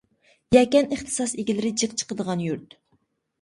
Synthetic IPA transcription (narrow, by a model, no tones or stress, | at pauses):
jɛkʲɛneχt̪ʰɨ̥sɑseɡʲilɪɾɪd͡ʒɨqt͡ʃʰə̥qəd̪əʁɑnjuɾt̪